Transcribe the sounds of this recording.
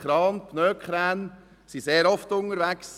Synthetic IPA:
ɾɑːnpʰnøːkʰχɾæːn | siseːɾɔftʊŋəɾʋæks

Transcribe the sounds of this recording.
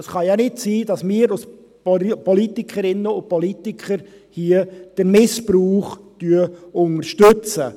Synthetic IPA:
sχɑjanɪtsiːd̥ɑsmɪːəɾʊs | pɔlitikʰəɾɪnːəʊnpɔlitikʰəɾ | hiəd̥əɾmɪspɾuːχtyəʊnəɾʃtøt͡sə

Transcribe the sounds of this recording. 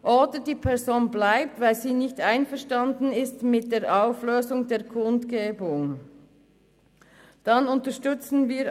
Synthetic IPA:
ʔoːdədiːpʰɛɐzoːnblaɪp̚tvaɪlziːnɪçtʔaɪnfɛɐʃtandn̩ɪstmɪt̚d̥eːɾʔaʊfløːzʊŋdeːɐkʰʊntɡ̥eːbʊŋ | d̥anʊntəʃtʏt͡sn̩viː

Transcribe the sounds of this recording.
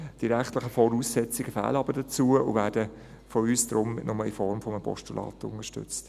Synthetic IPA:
d̥iɾæχtlɪχəfɔɾuːsːɛt͡sɪɡ̥əfæ̰ːləɑbəɾd̥ət͡suːəʔʊ̰ʋæːd̥ə | fɔyːsd̥̪ɾʊmnʊməifɔɾmfɔməəpʰɔ̰ʃtulʔɑ̰ːt̪ʊ̰nəʃtʏ̰t͡st

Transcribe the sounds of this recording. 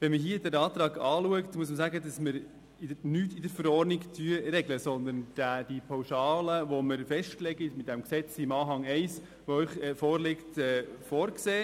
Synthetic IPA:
ʋɛnməɦiədæɾɑːt̪ɾɑːɡɑːluəktmuəs̬məsæɡədɑsməɾ | ɪ̥nyːtɪdəɾfəɾɔrniktʰyəɾɛɡləsɔnd̪ənd̥æd̥ipʰɑwʃɑːləʋoməɾfɛʃtklɛɡɪtmɪt̪̚d̥ɛmksɛt͡sɪmɑːɦɑŋɛɪs | ʋoœʏχɛfɔːɾlɪktɛːfɔːɾkseː

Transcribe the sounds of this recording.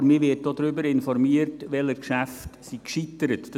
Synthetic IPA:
ɾmɪːʋɪt̚d̥oːd̪ɾʏbəɾɪnfɔɾmiərtʋɛləɾkʃæftsikʃitəɾətd̥

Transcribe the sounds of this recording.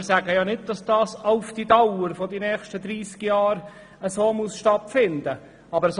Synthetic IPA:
ɾsæɡəjɑːnɪd̚d̥ɑsd̥ɑːsaʊfd̥idawəɾfodinɛːxʃtəd̪ɾiːskjɑːɾ | əsoːmusʃtɑt̪fɪnd̪ə | ɑbəɾəs

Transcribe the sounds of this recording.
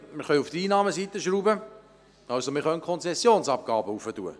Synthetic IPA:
məχœʏuft̪əiːnɑːməsit̪əʃɾuːbə | ɑlsomɪχœnkʰɔnsɛsːjoːnsɑp̚ɡ̥ɑːbəufətuə

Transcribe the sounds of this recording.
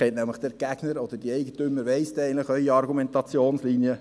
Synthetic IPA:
ɛntnæmləχd̥ɛɾɡ̥æɡ̥nəɾɔd̪əɾd̥iɛɪɡətymːəɾʋɛɪstɛɪəntləχœʏiɑrɡumɛntɑt͡sjoːnsliːniə

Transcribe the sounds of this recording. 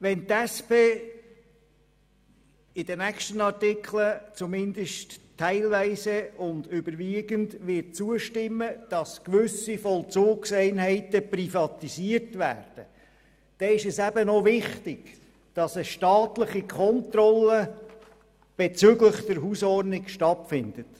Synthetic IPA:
ʋɛnt̪æspeː | ɪd̥ənækʃtənɑɾtɪkχlət͡sumɪnd̪əʃttʰːæɪlvæɪsəʊndʏbəɾʋiːɡəndʋɪt̚t͡suəʃtɪmːəd̥ɑskʋʏsifɔlt͡soːɡsæɪnɦæɪtəprifɑt̪isiːəɾtʋæ̰ːɾd̥ə | d̥ɛɪʃɛsæbənɔvɪχtɪɡ̥ | d̥ɑsəʃtɑːtləχikʰχɔnt̪rɔlːə | b̥et͡sʏɡləχd̥əɾɦusɔrdnɪkʃtɑtfɪnd̥̪ət

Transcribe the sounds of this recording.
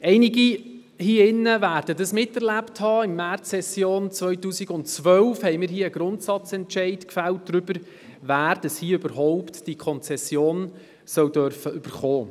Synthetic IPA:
ɛɪnɪɡi | hiːɪnːəvæːɾd̥ədəsmɪtːɛɾlæpthɑːɪmːært͡sːɛsjoːnt͡svœʏtuːsɪɡʊntt͡sʋœlfhɛɪmɪːɾɦiːəɡ̥ɾʊntsɑt͡sɛntʃɛɪdkfælt̚d̥ɾʏb̥əɾ | væːɾd̥əshiːøbəɾɦɔʊptd̥ikʰɔnt͡sɛsjoːn | sœwdœɾfəʔʏb̥əɾχoː

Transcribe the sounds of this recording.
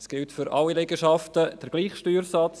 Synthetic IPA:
sɡ̥ɪltfʏɾɑlːilɛɡəʃɑftəd̥əɾɡ̥liːχʃtyːɾsɑt͡s

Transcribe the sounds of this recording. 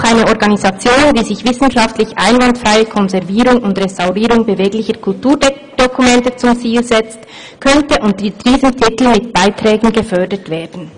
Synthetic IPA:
xaɪnəɔɾɡɑnizɑt͡sjoːndiːzɪçv̥ɪsn̩ʃɑftlɪçʔaɪnvɑntfʁaɪəkʰɔnzɛʁviːɾʊŋʊntʁestaʊʁiːɾʊŋbəveːɡlɪçəkʰʊltuːɐ | d̥ɔkʰumɛntət͡sʊmt͡siːlzɛt͡st | kʰœntəʔʊntdd̥iːzəmtʰɪtl̩mɪt̚b̥aɪtʁ̥ɛːɡn̩ɡəfœɐdətv̥eːɐdn̩

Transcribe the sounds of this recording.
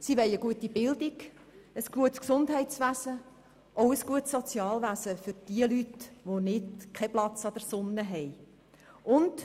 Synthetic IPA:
siʋɛɪəɡ̥uətibɪldiɡ | əsɡ̥uətsksʊndɦɛɪtsʋæzə | ʔoʊəsɡ̥uətsot͡sjɑːlʋæzəfʏɾd̥iəlytʋonɪdkʰɛplɑt͡sɑd̥̪əɾsʊnːəɦɛj | ʊnd

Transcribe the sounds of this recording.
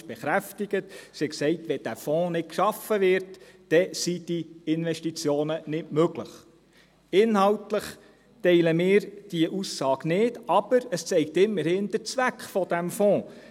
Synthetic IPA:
b̥eχɾæftɪɡ̥ətsɪksɛɪtʋɛd̥æfɔ̃ːnɪt̚kʃɑfəʋɪɾtː | ɛsid̥iɪnʋɛʃtit͡sjoːnənɪtmøɡləχ | ɪnhɑltləχ | tɛɪləmɪːɾd̥iəʔusːɑːɡnɪːdɑb̥əɾəst͡sɛɪk̚tɪmːəɾhɪnd̥ət͡sʋækχfɔd̥æmfɔ̃ː

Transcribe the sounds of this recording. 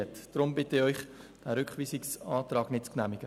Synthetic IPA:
ətd̥ɾʊmbɪtəɪɔʏχ | d̥æːɾʏkχʋiːsɪksɑːt̪rɑːɡ̥nɪt̚t͡sknæːmɪɡ̥ə

